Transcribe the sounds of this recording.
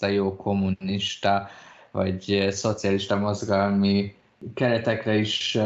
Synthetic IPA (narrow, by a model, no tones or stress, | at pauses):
ɑjoːkʰo̞mːunniʃt̪ɒvɒ̰ɟso̞t̪sijɒliʃt̪ɒmo̞zɡɒlmi | kɛɾɛt̪ɛkrɛiʃ